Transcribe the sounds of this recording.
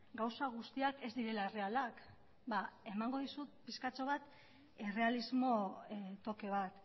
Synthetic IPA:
ɡawsaɣ̞ust̪iake̞zd̪iɾe̞laere̞alak | bae̞maŋɡo̞ðisut̪̚piskat͡ʃo̞β̞at̪ | ere̞alizmo̞t̪o̞ke̞β̞at̪

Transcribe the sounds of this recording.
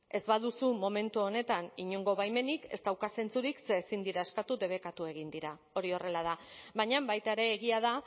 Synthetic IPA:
e̞zβaðusumo̞me̞nt̪uo̞ne̞t̪aniɲoŋɡo̞βajme̞nike̞st̪awkase̞nt͡suɾikse̞ːsind̪iɾae̞skat̪ud̪e̞β̞e̞kat̪ue̞ɣ̞ind̪iɾa | o̞ɾio̞re̞lað̞aβaɲambajt̪aeɾe̞ːɣiað̞a

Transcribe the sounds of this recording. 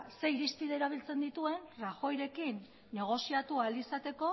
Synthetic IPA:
se̞iɾist̪iðe̞ɾaβ̞ilt͡se̞nd̪it̪ue̞nraxo̞jɾe̞kinː | e̞ɣ̞o̞siat̪uald̪isat̪e̞ko̞

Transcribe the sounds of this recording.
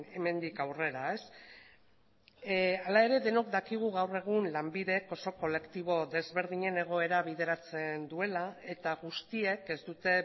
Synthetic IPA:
e̞me̞nd̪ikawre̞ɾae̞s | alae̞ɾe̞ðe̞no̞kd̪akiɣ̞uɣawre̞ɣ̞unlambiðe̞ko̞so̞ko̞le̞kt̪iβ̞o̞ðe̞zβe̞ɾð̞iɲe̞ne̞ɣ̞o̞e̞ɾaβ̞iðe̞ɾat͡se̞nd̪ue̞lae̞t̪aɣust̪ie̞ke̞zd̪ut̪e̞

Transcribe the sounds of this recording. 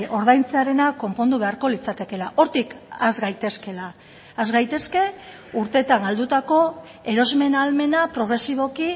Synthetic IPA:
ʔo̞ɾðajnt͡seaɾe̞nako̞mpo̞nd̪uβe̞aɾko̞lit͡sat̪e̞ke̞laʔo̞ɾt̪ikazɡajt̪e̞ske̞laː | zɣajt̪e̞ske̞ | uɾt̪e̞t̪aŋɡald̪ut̪ako̞ | e̞ɾo̞zme̞nalme̞napɾo̞ɣ̞ɾe̞siβ̞o̞ki

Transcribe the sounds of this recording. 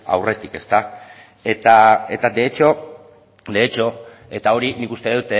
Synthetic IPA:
a̰wre̞t̪ike̞st̪a | e̞t̪ae̞t̪ad̪e̞ːt͡ʃo̞ | d̪e̞ːt͡ʃo̞ | e̞t̪ao̞ɾinikust̪e̞ðut̪e

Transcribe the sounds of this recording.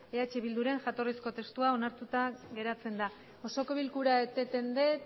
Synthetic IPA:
eat͡ʃeβild̪uɾe̞ŋxat̪o̞risko̞t̪e̞st̪uao̞naɾt̪ut̪aɣe̞ɾat͡se̞nd̪a | o̞so̞ko̞βilkuɾaet̪et̪e̞nd̪e̞

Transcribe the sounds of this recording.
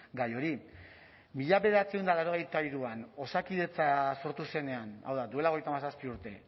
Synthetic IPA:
ɡajo̞ɾi | miʎaβeðeat͡seund̪alaɾo̞ɣ̞ejt̪aiɾuano̞sakiðe̞t͡saso̞ɾt̪use̞ne̞ana̰wðad̪ue̞lao̞ejt̪amasaspiuɾt̪e̞

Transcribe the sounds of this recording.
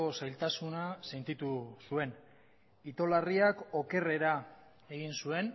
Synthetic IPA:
o̞sajlt̪asunase̞nt̪it̪usue̞n | it̪o̞lariako̞ke̞re̞ɾa | e̞ɣ̞insue̞n

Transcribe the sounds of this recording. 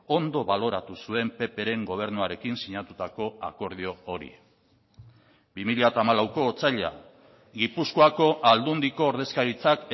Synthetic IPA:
o̞nd̪o̞βalo̞ɾat̪usue̞mpe̞pe̞ɾe̞ŋɡo̞β̞e̞ɾnuaɾe̞kinsiɲat̪ut̪ako̞ako̞ɾð̞io̞ːɾḭ | bimiʎat̪aːmalawko̞ːt͡saʎa̰ | ɡipuskoako̞ʔald̪und̪iko̞ːɾðe̞skaɾit͡sak

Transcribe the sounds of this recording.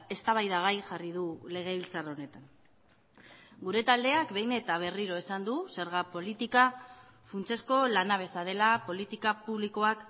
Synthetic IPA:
e̞st̪aβ̞ajðaɣ̞ajʝarið̞ule̞ɣ̞eβilt͡saro̞ne̞t̪an | ɡuɾe̞t̪ald̪e̞akbe̞jne̞t̪aβ̞e̞riɾo̞esand̪use̞ɾɣ̞apo̞lit̪ika | funt͡se̞sko̞lanaβ̞e̞saðe̞lapo̞lit̪ikapuβliko̞ak

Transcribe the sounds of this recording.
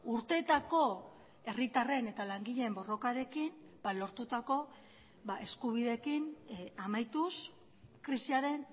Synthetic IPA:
uɾt̪e̞t̪ako̞ | e̞rit̪are̞ne̞t̪alaŋɡiʎe̞mbo̞ro̞kaɾe̞kin | b̥alo̞ɾt̪ut̪ako̞ | βaʔe̞skuβ̞iðe̞kinamajt̪us | kɾisiaɾe̞n

